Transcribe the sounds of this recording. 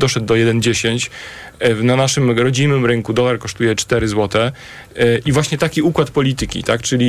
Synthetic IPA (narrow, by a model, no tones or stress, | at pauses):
d̪ɔʂɛd̪̚ːɔjɛd̪ɛnd͡ʑeɕeɲt͡ɕ | vnanaʂɘmɾɔd͡ʑinɘmɾɘŋkud̪ɔlaɾkɔʂt̪ujɛt͡ʂt̪ɛɾɘzwɔt̪ɛ | ʔivwaɕɲɛt̪akʲiukwat̪pɔlʲit̪ɘkʲḭt̪akt͡ʂɘlʲi